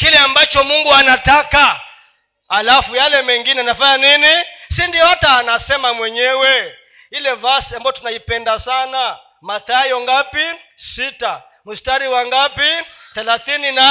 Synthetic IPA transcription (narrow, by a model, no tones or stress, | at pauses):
kilɛambat͡ʃɔmuŋɡuanataka | alafujalɛmɛŋɡinɛanafaɲaninisindijɔhataːnasɛmamwɛɲɛwɛ | ilɛvasiambajɔtunaipɛndasana | maθajɔŋɡapisita | mustaɾiwaŋɡapiθɛlaθinina